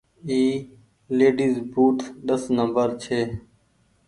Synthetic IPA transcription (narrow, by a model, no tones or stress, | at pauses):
iː | leːɖiːzbuːʈʰɗəsnəmbəɾt͡ʃʰeː